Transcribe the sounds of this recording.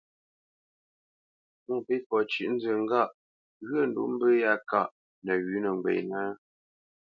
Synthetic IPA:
mɔ˦˨pe˦fɔ˨t͡ʃʉ˨ʔn̩˦d͡zə˨ŋ̩˦ɡa˦˨ʔ | ɣɥə˦˨n˨dṵ˨˦m̩˦bə˦ja˦ka˦˨ʔ | nə˨ɥʉ˨˦nə˨ŋ˨ɡ͡bḛ˨na˦

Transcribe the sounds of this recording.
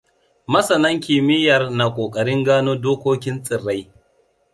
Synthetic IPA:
mɐ˦sɐ˨nɐ˦ŋkʲɪ˨mɪ˦jɐ˨rna˨kʷʼoː˨kʼɐ˨ɽɪ˦ŋɡaː˦noː˦doː˦kʷoː˦kʲɪ˦nsʼɪ˨rːa˦j

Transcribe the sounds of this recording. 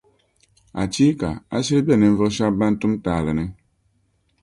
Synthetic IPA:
a̰˨t͡ʃi˦ka̰˨a̰˦si˦ɾbe˦˨ne˨m̩˦vɨ˦kʃa˦ba˦n̩˦tu˦m˦ta˨lɨ˨ne˦

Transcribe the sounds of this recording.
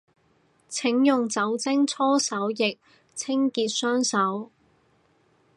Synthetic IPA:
t͡sʰɪ˨˥ŋjʊ˨ŋt͡sɐ˨˥wt͡sɪ˥ŋt͡sʰɔː˥sɐ˨˥wjɪ˨k̚ | t͡sʰɪ˥ŋkiː˨t̚sœː˥ŋsɐ˨˥w

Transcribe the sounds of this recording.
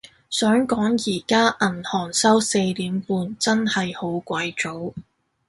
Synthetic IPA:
sœː˨˥ŋkɔː˨˥ŋjiː˨˩kaː˥ʔɐ˨˩nhɔː˨˩ŋsɐ˥wse˧jliː˨˥mpuː˨˧nt͡sɐ˥nhɐ˨jho˨˥wkʷɐ˨˥jt͡ʃo˨˥w

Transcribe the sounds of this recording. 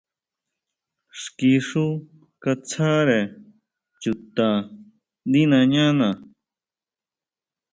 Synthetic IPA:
ʂki˧ʂu˦ | ka˧t͡sʰa˦ɾe˨ | t͡ʃu˧t̪ã˨ | nd̪i˦nã˧ɲã˦nã˨

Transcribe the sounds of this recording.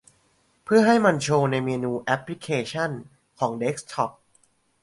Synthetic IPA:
pʰɯ˥˩ɐɦa˥˩jma˧nt͡ɕʰoː˧na˧jmeː˧nuː˧ʔɛ˦˥pʰli˦˥kʰeː˧t͡ɕʰa˥˩n | kʰɔː˩˦ŋde˦˥k̚st̪ʰɔ˦˥p̚

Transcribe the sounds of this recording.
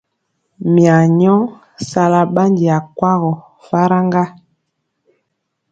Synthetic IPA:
mja˨ɲɔ˦ | sa˨la˨ɓa˦ndi˨a˨kwa˦ɣɔ˨ | fa˦ɾa˦ŋɡa˦

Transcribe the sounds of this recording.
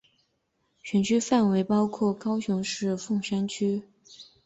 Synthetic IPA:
ɕɥɛ˧˥nt͡ɕʰy˥fa˥˩nwe˧˥ɪpɑ˥ʊkʰwɔ˥˩kɑ˥ʊɕjʊ˧˥ŋʂɻ̩˥˧fʊ˥˩ŋʂa˥nt͡ɕʰy˥

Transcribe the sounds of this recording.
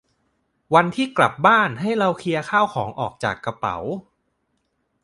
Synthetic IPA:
wa˧nt̪ʰiː˥˩kla˨˩p̚baː˥˩nɦa˥˩jɾa˧wkʰi˧ɐkʰaː˥˩wkʰɔː˩˦ŋʔɔ̰ː˨˩k̚t͡ɕa̰ː˨˩kːa˧pa̰˩˦w

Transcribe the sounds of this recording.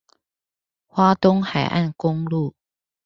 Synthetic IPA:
xwa˦t̪ʊ˦ŋxa̰˨˩jʔa̰˥˨nkʊ˦ŋlu˥˨

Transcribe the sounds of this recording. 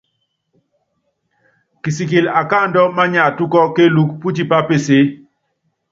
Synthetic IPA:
ki˨si˨ki˨la˨ka˦˨ndɔ˦ma˦ɲa˨tu˦kɔ˦ke˦lu˦k̚pu˦ti˦˨pa˦pe˦˨se˦

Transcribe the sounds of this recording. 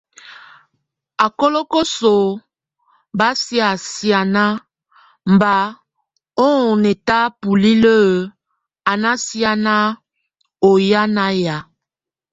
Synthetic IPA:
a˨kɔ˦lɔ˦kɔ˦so˨ | ba˦sja˨sja˨na˦ | m̩˨ba˨ | ɔ˦˨nɛ˨ta˦pu˨li˦lə˦˨ | a˨na˦sja˦na˦ | o˨ja˦na˦ja˨

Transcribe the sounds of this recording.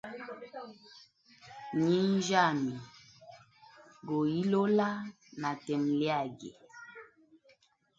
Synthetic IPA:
ɲi˦n̩˦d͡ʒa˦˨mi˨ | ɡo˨ji˦lo˦la˦ | na˨tɛ˨mlɛ˦a˨ɡḛ˨

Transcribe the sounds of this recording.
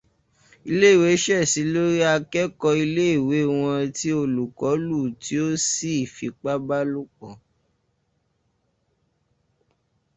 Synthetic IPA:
i˧le˦˨we˨˦ʃɛ˦˨si˨˦lo˦ɾi˦a˧kɛ˦kɔ˧i˧le˦i˦˨we˨˦˨w̃ɔ̃˧ti˦o˦lu˨kɔ˨˦lu˦˨ti˨˦o˦si˦˨fi˧k͡pa˦ba˦lu˦kɔ̃˨

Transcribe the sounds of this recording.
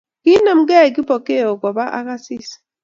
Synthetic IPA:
ki˦na˦˨m̩˦ɡɛ˦˨ki˦po˨ke˦˨o˨kɔ˨ba˦ʔa̰˦ka˦sɪ˦s

